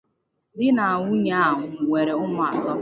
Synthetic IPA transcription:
dɪ˦na˨a˨ŋʷu˦ɲa˦a˦˨ɦʊ˨we˨ɾe˨ʊ˦mʊ˦a˨tɔ˦

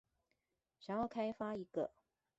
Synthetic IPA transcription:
ɕjɑ˨˧˩ŋjɑ˥˩ʊkʰa˥ɪfa˥i˧˥ɡə̰˧

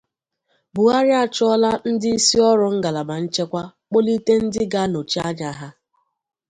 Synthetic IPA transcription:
bʊ˨a˦ɾja˦t͡ʃʊ˦ɔ˦la˦n̩˦dɪ˦i˦si˦ɔ˦ɾʊ˨ŋ̩˦ɡa˨la˨ma˨n̩˦t͡ʃe˦kʷa˦k͡po˦li˦te˦n̩˦dɪ˦ɡa˦no˨t͡ʃi˦a˦ɲa˨ɦa˦

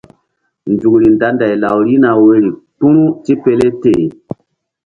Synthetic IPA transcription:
nd͡ʒu˨kɾi˨nda˦nda˨jla˨wɾi˦na˨we˦ɾi˨tu˦ɾu˦ti˦pe˨le˦teː˦˨

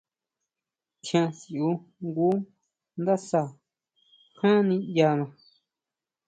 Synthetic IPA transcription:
t͡ʃã˧si˨ʔu˧˦ŋɡu˦ | nd̪a˦sa˧˨ | hã˦nĩ˧ja˧˨mã˧˨

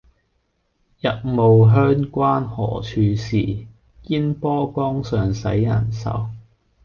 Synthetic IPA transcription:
jɐ˨t̚mo˨wɦœː˥ŋkʷaː˥nhɔ̰ː˨˩t͡ʃʰyː˨˧siː˨˩ | kiː˥npɔː˥kɔː˥ŋsœː˨ŋsɐ˨˥jːɐ˨˩nsɐ̰˨˩w

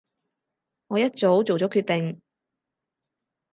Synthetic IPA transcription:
ŋɔː˨˧jɐ˥t̚t͡so˨˥wt͡so˨wt͡sɔː˨˥kʰyː˥˧t̚t̪ɪ˨ŋ

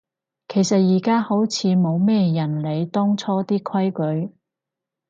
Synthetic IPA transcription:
kʰe˨˩jsɐ˨t̚jiː˨˩kaː˥ho˨˥wt͡sʰiː˨˧mo˨˧wmɛː˥jɐ˨˩nle˨˧jt̪ɔː˥ŋt͡sʰɔː˥t̪iː˥kʰɐ˥jkɵ˨˥ɥ

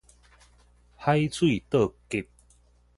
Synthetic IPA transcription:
ha˦jt͡sʰwi˥˨t̪ə˥˨ki˧t̚

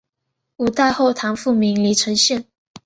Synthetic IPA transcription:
u˨˩t̪a˥˧ɪxo˥˧ʊt̪ʰɑ˧˥ŋfu˥˩mi˧˥ŋli˧˥ʈ͡ʂʰə˧˥ŋɕjɛ˥˩n

